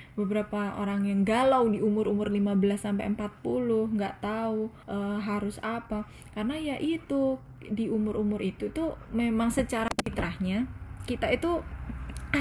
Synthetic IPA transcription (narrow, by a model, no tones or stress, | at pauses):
bəbəɾapao̰ɾaŋjaŋɡalawdiumʊɾumʊrlimabəlasːampa̰jəmpat̪̚pulʊhŋɡaʔt̪au | ʔəɦaɾʊsapa | kaɾənajaʔit̪u | diumʊɾʔumʊrit̪ut̪umemaŋsət͡ʃaɾapit̪ɾahɲakit̪ait̪u